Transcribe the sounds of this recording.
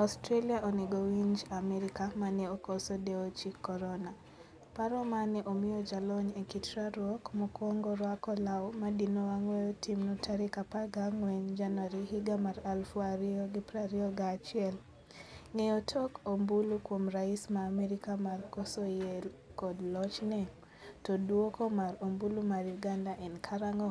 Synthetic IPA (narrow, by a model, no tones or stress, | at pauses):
astɾeliaʔɔnɛɡɔwind͡ʒamɛɾikamanɛɔkɔsɔdɛɔt͡ʃikɔɾɔna | paɾɔmanɛʔomiɔd͡ʒalɔɲekitɾaɾɔkmukɔŋɡɔɾwakɔlaɔmadinɔwaŋwɛɔtimnɔtʰaɾikapaɡaŋwɛɲd͡ʒanwaɾiɦiɡamaɾalfuaɾiɔɡipɾaɾiɔɡat͡ʃiɛl | ŋeotʰɔkombulukwomɾaismaːmɛɾikamarkɔsɔjɛlkɔdlɔt͡ʃnɛ | toduokomaɾombulumaɾjuɡandaʔɛnkʰaɾaŋɔ